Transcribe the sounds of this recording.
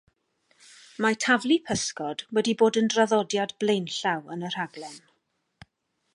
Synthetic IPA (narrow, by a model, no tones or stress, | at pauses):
matʰavlˠipʰəskɔd̥wɛdiboːdəndraðɔdjadblejnɬawənər̥aɡlɛn